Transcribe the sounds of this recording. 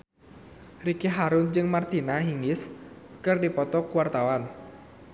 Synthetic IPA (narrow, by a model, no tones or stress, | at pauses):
rikiɦaɾʊnd͡ʒɨŋmart̪inaɦiŋɪs | kɨrdipɔt̪ɔkuwart̪awan